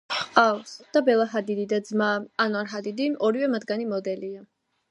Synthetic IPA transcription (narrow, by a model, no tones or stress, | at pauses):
χalsd̪̥abɛlˠaɦad̪id̪id̪ad̪zmaːnaɾɦad̪id̪iɔɾivɛmad̪ɡanimɔd̪ɛlia